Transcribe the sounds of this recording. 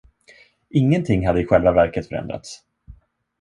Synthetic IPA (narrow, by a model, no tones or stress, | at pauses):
ɪŋːənt̪ʰɪŋːɦad̪ːəɪɧɛlvavæɾkət̪fœɾɛ̰nd̪ɾa̰t̪s